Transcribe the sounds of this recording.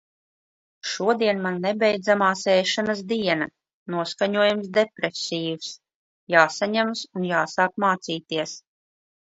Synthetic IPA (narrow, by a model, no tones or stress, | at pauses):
ʃuɔd̪iɛnmanːɛbʲɛjd̪zamaːsɛːʃanas̬d̪iɛna | nuɔskaɲuɔjamsd̪epɾesʲiːus | jaːsaɲamsunjaːsaːkmaːt̪siːt̪iɛs